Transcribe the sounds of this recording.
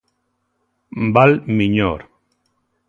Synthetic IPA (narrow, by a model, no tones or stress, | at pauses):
mbalmiɲoɾ